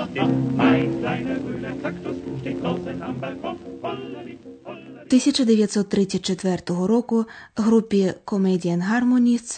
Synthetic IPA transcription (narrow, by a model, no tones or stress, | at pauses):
t̪ɪsʲɐt͡ʃɐd̪eʋʲjɐt̪ʲsɔt̪ːɾɪt͡sʲːɐtʲt͡ʃet̪ʋɛrt̪ɔɦɔɾɔkʊɦɾupʲːikɔmɛdʲijɐnɦarmɔnʲis